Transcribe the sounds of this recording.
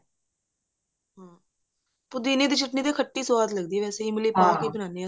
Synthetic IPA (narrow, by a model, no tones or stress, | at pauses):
ɦãː | pʊd̪iːned̪iːt͡ʃɪʈnit̪ekʰəʈːisʊʋaːd̪ləɡd̪ieʋɛːseimɪliːpaːkebənãːneã